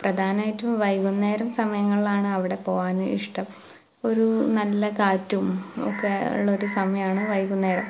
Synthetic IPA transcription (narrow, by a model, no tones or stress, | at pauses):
prɐd̪ʱaːnɐaːjitːumʋɐjkunːe̞ːɾɐmsɐmɐjɐŋːɐɭilaːɳɨɐʋiɽe̞po̞ːʋaːnɨiʂʈɐm | o̞ɾunɐlːɐkaːtːumo̰kːeṵɭːɐo̞ɾusɐmɐjɐaːɳɨʋɐjɣunːe̞ːɾɐm